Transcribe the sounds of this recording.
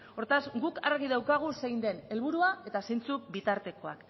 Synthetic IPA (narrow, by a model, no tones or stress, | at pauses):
o̞ɾt̪azɡukaɾɣiðawkaɣ̞usejnd̪e̞ne̞lβuɾuae̞t̪asejnt͡subit̪aɾt̪e̞ko̞a̰k